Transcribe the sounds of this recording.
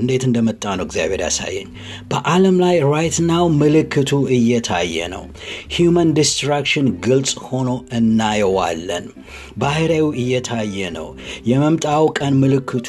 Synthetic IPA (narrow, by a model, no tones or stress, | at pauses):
ɨnd̪e̞t̪ɨnd̪əmət̪ʼːanəwɡzija̰βe̞ɾja̰sa̰jːɛ̰ɲ | b̥əʔaləmlajɾajt̪nawmɨlɨkʰːɨt̪ʰuʔɨjːɛt̪ʰa̰jːɛ̰nə̰w | hjumənd̪ist̪ɾakʃɨnɡɨlsʼho̞no̞ɨnːajɛwa̰lːə̰n | bahɨɾajuɨjːɛt̪ʰajːɛnə̰w | jɛməmt̪ʼawkʼənmɨlɨkʰːɨt̪ʰ